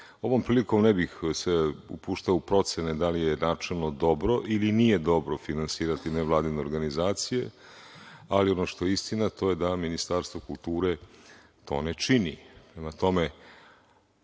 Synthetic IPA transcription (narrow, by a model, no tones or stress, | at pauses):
o̞ʋo̞mpɾiːliko̞mnebixseṵpuːʃt̪aoupɾo̞t̪sened̪alijenaːt͡ʃelˠno̞d̪o̞bɾo̞ʔilinije̞d̪o̞bɾo̞finansiːɾat̪ineʋlˠaːd̪ineoɾɡanizaːt̪sije̞̰ | alio̞noʃt̪o̞jeist̪inat̪o̞je̞d̪aminist̪aɾst̪ʋokulˠt̪uːɾe | t̪o̞̰ːnet͡ʃinipɾe̞mat̪o̞me̞